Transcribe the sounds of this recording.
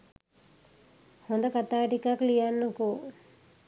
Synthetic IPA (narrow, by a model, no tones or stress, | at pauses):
hond̪əkat̪aːʈikaklijanːoku